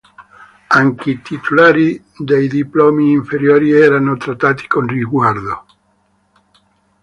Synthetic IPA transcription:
aŋkeit̪it̪ʰulaːɾi | d̪ejd̪iploːmiːɱfeɾjoːɾiɛːɾanot̪ɾat̪ːaːt̪i̥konriɡward̪o

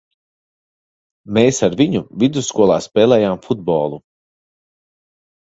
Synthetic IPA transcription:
meːsaɾviɲuvid̪uskuɔlˠa̰ːspɛːlɛːjaːmfud̪̚bɔːlˠu

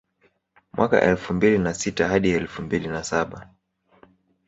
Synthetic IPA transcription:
mwʔaka̰ʔɛlfumbilinasitahaɗiɛlfumbilinasaɓa

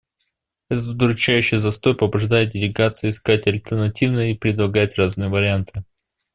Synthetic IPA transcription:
ɛt̪ət̪d̪əɾʲʊt͡ɕæjʉɕːɪjəzɐst̪o̞jpəbʊʐd̪ajɪt̪̚dʲɪlʲɪɡat̪sɨjɪːskatʲɐlʲt̪ʲərnɐtʲivnəjəipɾʲɪd̪lˠɐɡajɪt̪ʲraznɨjəvəɾʲɪant̪ʰɨ

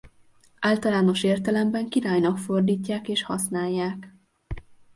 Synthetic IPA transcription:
ʔaːlt̪ɒlaːno̞ʃeːrt̪ɛlɛmbɛŋkiɾaːjnɒkfo̞rd̪iːcːaːkeːʃhɒsnaːjːaːk

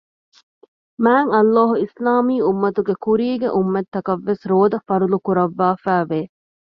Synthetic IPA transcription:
mæːŋɐlːaːɦuislaːmiːumːɐt̪uɡekuɾiːɡeʔumːɐt̪ːɐkɐʋːesɾoːd̪ɐfɐɾulukuɾɐʋːaːfæːʋeː

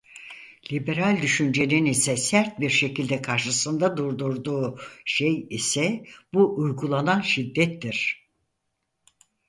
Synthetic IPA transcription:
lʲibe̞ɾalʲd̪yʃynd͡ʒe̞ninisɛsæɾt̪̚biɾʃe̞cilʲd̪ɛkʰaɾʃɯsɯnd̪ad̪uɾd̪uɾd̪uːʃejisɛbuʔujɡulˠananʃid̪ːɛt̪ːiɾ̥

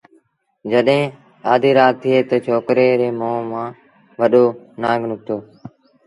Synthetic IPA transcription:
d͡ʒəɗɦẽː | aːd̪ʱiːɾaːt̪ʰːɪeːt̪ət͡ʃʰoːkɾeːɾeːmõːmãː | ʋəɗoː | naːɡnʊk̚t̪oː

